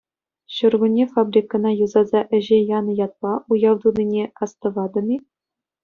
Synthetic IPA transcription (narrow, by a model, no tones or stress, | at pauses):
ɕŭrɡunʲːefɑbrʲikːɤ̆nɑjuzɑzɑʔɘ̆ʑejɑnɤ̆jɑt̪̚lˠɑujɑʋd̪unʲinʲekɑst̪ɤ̆ʋɑd̪ɤ̆mʲi